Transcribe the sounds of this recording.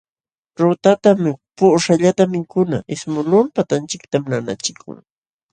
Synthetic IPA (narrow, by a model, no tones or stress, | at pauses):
ɾʊt̪at̪ampʊʂaʎat̪amɪkʊnaʔɪsmʊlʊmpat̪ant͡ʃɪk̚t̪amnana̰t͡ʃɪkʰʊ̰ŋ